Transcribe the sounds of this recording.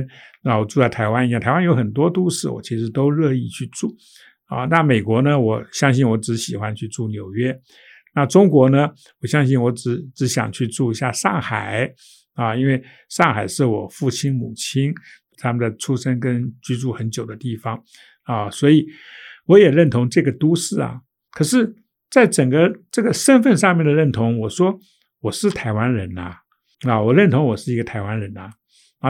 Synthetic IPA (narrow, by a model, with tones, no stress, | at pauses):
nna˥˩wɔ˨˩ʈ͡ʂu˥˧t͡sɪt̪ʰa˧˥ɪwa˥ni˧˥jt̪ʰa˧˥ɪwa˥jo˧˥ʊxə˨˩nt̪wɔ˥t̪u˥ʂɻ̩˥˩wɔ̰˨˩t͡ɕʰi˧˥ʂɻ̩˧˥t̪o˥ʊɻɤ˥˧i˥˧t͡ɕʰy˥˧ʈ͡ʂu˥˩ | ə̰˧˩na˥˩me˨˩ɪkwɔ˧˥nə˧wɔ˨˧˩ɕjɑ˥ŋɕi˥˩nwɔ˧˥ʈ͡ʂɻ̩˧˥ɕi˨˩xwa˦˥nt͡ɕʰy˥˧ʈ͡ʂu˥˩njo˨˩ʊɥɛ˥ | na˥˩ʈ͡ʂʊ˥ŋkwɔ˧˥nə˧ | wɔ˨˩ɕjɑ˥ŋɕi˥˩nwɔ˧˥ʈ͡ʂɻ̩˧˥ʈ͡ʂɻ̩˧˥ɕjɑ̰˨˩ŋt͡ɕʰy˥˧ʈ͡ʂu˥˩i˧˥ɕja˥˧ʂɑ˥˩ŋxa̰˨˩˦ɪ | ə˧i˥nwe˥˩˧ɪ | ʂɑ˥˩ŋxa˨˩ɪʂɻ̩˥˩wɔ˨˩fu˥˩t͡ɕʰi˥nmu˨˩t͡ɕʰi˥n | t̪ʰa˥mə˨nd̪ə˩ʈ͡ʂʰu˥ʂə˥nkə˥nt͡ɕy˥˧ʈ͡ʂu˥˩xə˧˥nt͡ɕjo˨˩ʊd̪ə˦t̪i˥˩fɑ˧˦ŋ | ə˥˧swɔ˧˥i˨˩ | wɔ˧˥jɛ˨˩ɻə˥˩nt̪ʰʊ˧˥ŋʈ͡ʂɤ˥˩ɡə˩t̪u˥ʂɻ̩˥˩ɐ̰˩ | kʰɤ˨˩ʂɻ̩˥˩ | t͡sa˥˩ɪʈ͡ʂə˨˩ŋɡə˦ʈ͡ʂɤ˥˩ɡə˩ʂə˥nfə˥˧nʂɑ˥˧ŋmjɛ˥˩nd̪ə˩ɻə˥˩nt̪ʰʊ˧˥ŋwɔ˨˩ʂwɔ˥ | wɔ˨˩ʂɻ̩˥˩t̪ʰa˧˥ɪwa˥nɻə˧˥nɐ̰˨ | ə˧˩wɔ˨˩ɻə˥˩nt̪ʰʊ˧˥ŋwɔ˨˩ʂɻ̩˥˩i˧˥ɡə˧t̪ʰa˧˥ɪwa˥nɻə˧˥nɐ˧